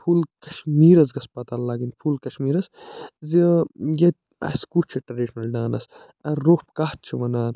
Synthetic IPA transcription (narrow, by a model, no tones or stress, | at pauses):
pʰuːlkɐʃmiːɾɐz̬ɡɐspɐt̪aːlːaːɡinpʰuːlkɐʃmiːɾɐszijɐt̪̚ | ɐ̰skuːt͡ʃʰiʈɾɐɖiʃnɐlɖaːnɐ̰s | ɐːoːhpkah̪t͡ʃʰiʋɐnaːn